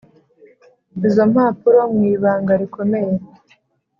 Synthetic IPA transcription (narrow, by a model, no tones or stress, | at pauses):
izo̞mhaːpuɾomŋiːβaːŋɡaɾiko̞me̞je